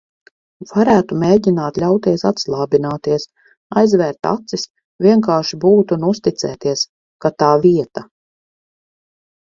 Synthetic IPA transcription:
v̥aɾæːt̪umeːɟinaːt̪lʲawt̪iɛsat̪slˠɑːbinaːt̪iɛs | ajzvɛːɾt̪a̰t̪sis | vʲiɛŋkaːʃibuːt̪unust̪it̪sɛːt̪iɛs | kat̪aːviɛt̪a

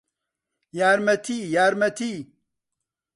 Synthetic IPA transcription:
jaːɾmɐt̪ʰijaːɾmɐt̪ʰi

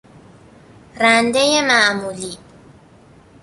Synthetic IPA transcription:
randɛjɛmaːmuli

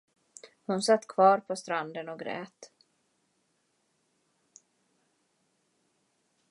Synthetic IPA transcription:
hʊnsat̪ːkʰv̥ɑːɾpʰɔst̪ɾand̪ənɔɡɾɛ̰ːt̪

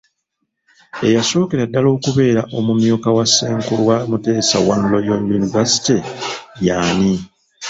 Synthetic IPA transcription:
e̞jaso̞ːkeɾadːalo̞ːkuβe̞ːɾaʔo̞mumjuːkawasːeːŋkulwamute̞ːsa̰wanlojojunivasi̥tejaːni

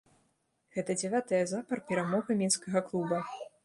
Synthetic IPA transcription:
ɣɛt̪ɐd͡zʲɛvʲat̪ɨjɐzapɐrpʲɛɾamɔɣɨmʲinskɐɣɐklˠubɐ

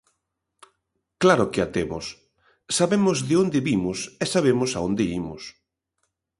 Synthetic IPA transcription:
klaɾʊkɪat̪emʊ̰sː | aβemʊzðɪond̪ɪβimʊsɛsaβ̞emʊsaond̪ɪimʊs

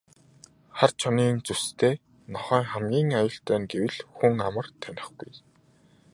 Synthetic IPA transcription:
χart͡ɕʰɔniːnt͡sust̪ʰeː | nɔχœːŋχæmɡʲiːŋajʊːɬt̪æːnɡewɘ̆ɮxuŋamə̆rt̪ʰænʲɪ̆χɡuj

